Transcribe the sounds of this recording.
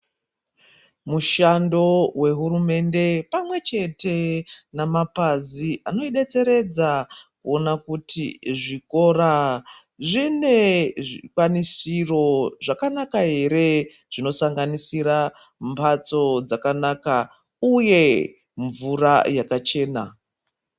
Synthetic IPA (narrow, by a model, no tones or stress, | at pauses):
muʃando̞we̞ɦurume̞nde̞pamwe̞t͡ʃe̞te̞namapaziʔano̞iɗe̞t͡se̞ɾe̞d͡zakuo̞nakutḭʐiko̞ra | ʐine̞ʐikwanisiro̞ʐakanakaɦe̞ɾe̞ | ʐ̥ino̞saŋɡanisiɾa | mpʰat͡so̞d͡zakanaka | uje̞ | ɱvurajakat͡ʃe̞ːna